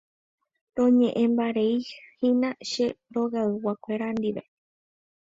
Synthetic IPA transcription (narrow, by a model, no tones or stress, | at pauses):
ɾõɲẽ̞ʔẽmbaɾeihĩnãʃe̞ɾoɣaɨwakʷeɾand̪iʋe